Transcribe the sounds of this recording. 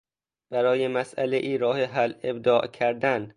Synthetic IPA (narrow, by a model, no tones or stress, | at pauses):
b̥æɾɒːjemæsʔæleʔiːɾɒːheɦæleb̚d̪ɒːʔcʰæɾd̪æn